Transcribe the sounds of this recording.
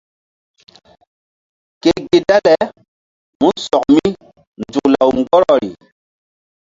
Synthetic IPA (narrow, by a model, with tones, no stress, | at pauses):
ke˦ɡe˨da˦lɛ˨ | mu˦nsɔ˨k̚mi˦ | nd͡zu˨kla˨wŋɡɔ˦ɾɔ˨ɾi˨